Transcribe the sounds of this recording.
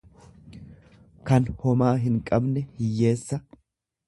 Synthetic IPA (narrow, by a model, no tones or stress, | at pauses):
kɐnhɔmaːɦɪŋkʼɐbnɛhɪjːe̞ːsːɐ